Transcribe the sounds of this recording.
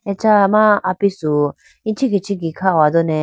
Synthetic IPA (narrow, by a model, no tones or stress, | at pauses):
ɛt͡ʃamaapisu | ĩt͡ʃʰiɡit͡ʃʰiɡikʰawad̪ɔnɛ